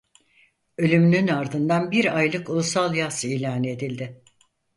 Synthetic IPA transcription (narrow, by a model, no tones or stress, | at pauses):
ø̞lʲymynynaɾd̪ɯnd̪anbiɾajlˠɯkulˠusalˠjasiːlʲaːned̪ilʲd̪ɪ